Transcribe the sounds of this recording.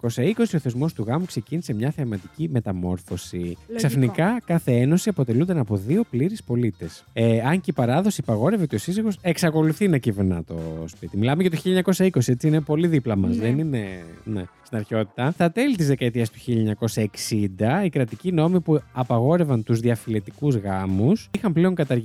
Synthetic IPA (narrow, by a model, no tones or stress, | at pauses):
ko̞sɐiko̞sio̞θe̞zmo̞st̪uɣɐmukse̞cinise̞mɲɐθeɐmɐt̪icime̞t̪ɐmo̞ɾfo̞sisɐfnikɐkɐθe̞eno̞siɐpo̞t̪e̞lund̪ɐnɐpoðio̞pliɾispo̞lit̪e̞seɐɲceipɐɾɐðo̞siɐpɐɣo̞ɾeveot̪eo̞siziɣo̞se̞ksɐko̞luθinɐciveɾnɐ̰t̪o̞̰spit̪imilɐmeʝɐt̪oçiʎːɐɲɐko̞sɐiko̞siet͡siine̞po̞liðiplɐmɐzðenine̞nḛst̪inɐɾço̞t̪i̥t̪ɐt̪ɐt̪e̞lit̪izðekɐet̪iɐst̪u̥çiʎɐɲɐko̞sɐeksind̪ɐikɾɐt̪icino̞mipuɐpɐɣo̞ɾe̞vɐnt̪uzðiɐfile̞t̪ikuzɣɐmusixɐmple̞o̞ŋkɐt̪ɐɾ